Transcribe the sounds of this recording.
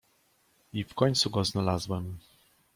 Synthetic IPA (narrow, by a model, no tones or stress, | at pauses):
ifkɔɲt̪suɡɔznalazwɛm